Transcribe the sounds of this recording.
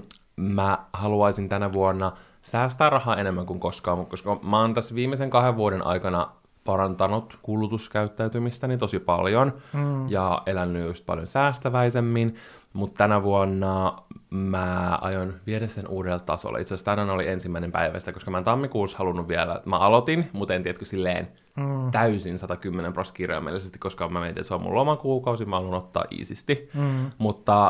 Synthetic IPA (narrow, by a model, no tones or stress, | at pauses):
mæhɑluɑisint̪ænæʋuonːɑ | sæːst̪æːrrɑhɑːenemːæŋkuŋkoskɑːmut̪̚koskɑmɑːnt̪æsːʋiːmːeseŋkɑheʋʋuoɾenʔɑ̰ikɑnɑ | pɑɾɑnt̪ɑnut̪kulːˑut̪uskæyt̪ːæyt̪ymist̪ænit̪o̞sipɑ̰ljonjɑʔelænːyjust̪̚pɑ̰ljonsæːst̪æʋæisemːin | mut̪t̪ːænæʋuonːɑ | mæɑ̰jonʋieɾæssːenʔuːɾelt̪t̪ɑ̰so̰l̰it̪sest̪ænænoliensimːæinempæ̰iʋæ̰st̪ækoskɑmæent̪ɑmːikuːshɑlunːuʋʋiɛlæ̰mæɑlot̪inmut̪ent̪iɛt̪køsilːḛːn | t̪æysinsɑt̪ɑkymːenemproskirjɑ̰mḭḛlisest̪i̥koskɑmæment̪ḭḛt̪seommṵlomɑkuːkɑusimæɑlonot̪ːɑ̰ːʔḭːsist̪imut̪ːɑ